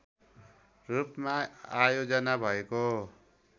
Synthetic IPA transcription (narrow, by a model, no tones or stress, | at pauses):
rupmaajod͡zʌnabʱʌeko